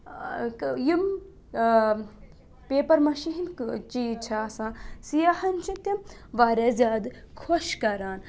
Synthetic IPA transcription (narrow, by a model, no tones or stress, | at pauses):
jim | peːpɐɾmɐʃiɦint͡ʃiːt͡ʃʰaːsãːsijɐhɐnt͡ʃʰĩt̪ɐmʋaːɾʲaːzʲaːd̪kʰoʃkɐɾaːn